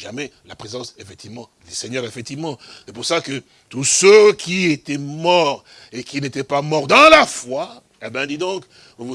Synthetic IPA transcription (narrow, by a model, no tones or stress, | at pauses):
ʒamɛlapχezɑ̃sefɛk̚t̪ivmɑ̃d̪ysɛɲœʁefɛk̚t̪ivmɑ̃sɛpuʁsakə | t̪usøkʲiet̪ɛmɔʁ | ekʲinet̪ɛpamɔʁd̪ɑ̃lafwa | ɛbɛ̃d̪id̪ɔ̃k | ovu